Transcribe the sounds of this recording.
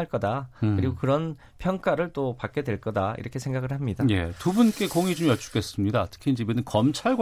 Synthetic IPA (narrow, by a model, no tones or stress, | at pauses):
aɭk͈ʌdakɯɾiɡokɯɾʌn | pʰjʌŋk͈aɾɯɭt͈opak͈e̞dwe̞ɭk͈ʌdaḭɾʌkʰe̞sʰe̞ŋɡaɡɯɭhamɲidajetubunk͈e̞koŋid͡ʑomjʌt͡ɕʰu̥k͈e̞s͈ɯmɲidatʰɯ̥kʰiind͡ʑibenɯnkʌmt͡ɕʰaɭɡw